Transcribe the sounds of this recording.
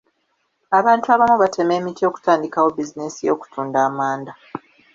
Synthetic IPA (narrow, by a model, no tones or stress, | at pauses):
aβaːntuaβamuβatʰe̞me̞ːmitio̞ːku̥taːndikawo̞bizinesijo̞̰ːku̥tuːndaːmaːnda